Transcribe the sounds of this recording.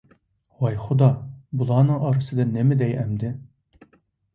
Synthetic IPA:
wɑjχʊd̪ɑbulˠɑːnɨŋɑɾɨsɨd̪ɑnɪmɪd̪ɛjæmd̪ɪ

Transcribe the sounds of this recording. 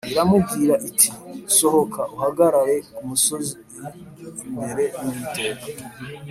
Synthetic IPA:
iɾamubɡiɾaʔitʰiso̞ho̞kʰaʔuɦaɡaɾaje̞kumuso̞ziiɾi | mbe̞ɾe̞niteɡa

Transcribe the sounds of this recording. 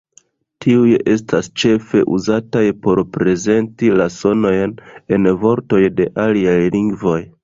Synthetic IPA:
tʰiuje̞s̬tʰast͡ʃe̞fe̞ʔuzatajpo̞ɾpɾe̞ze̞ntilaso̞no̞jne̞nvo̞ɾto̞jde̞ʔaliajliŋɡvo̞j

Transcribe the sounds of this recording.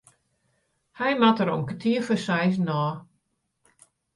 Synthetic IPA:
hɛjmatəɾomkətʰiəfəsɛjs̬nɔː

